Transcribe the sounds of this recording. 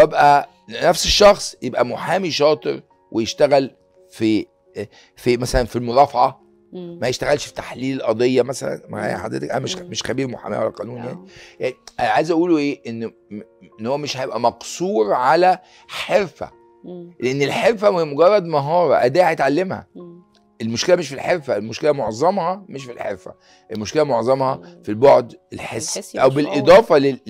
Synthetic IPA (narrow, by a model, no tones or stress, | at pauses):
ebʔæ | næfseʃːɑxsˤjebʔæmoħaːmiʃɑːt̪ˤeɾ | wʔejeʃt̪æɣæl | fi | fimæsælænfilmoɾˤɑːfʕɑ | mæjeʃt̪æɣælʃfi̥t̪ḁħliːlelʔɑd̪ˤejːɑmæsæ̰læ̰nmhḛħad̪ɾḛt̪ekʔæ̰næmeʃmeʃxæbiːɾmoħa̰mḭwælːæqɑːnuːnja̰nijanæʕa̰jzʔæʔuːloʔeːʔenː | enːhowːæmeʃhæjebʔæmɑqsˤuːɾʕalæ | ħeɾfæ̰ | leʔenːelħeɾfæmemoɡɑrˤːɑd̪mɑɦɑːɾˤɑʔæd̪ːæːhæjet̪ʕalːemhæ̰ | ʔelmoʃkelæmeʃfilħeɾfæelmoʃkelæmoʕzˤɑmhɑmeʃ̬filħḛɾfæ̰ | ʔelmoʃkelæmoʕzˤɑmhɑfilboʕd̪elħesːʔæwbelʔed̪ˤɑːfɑle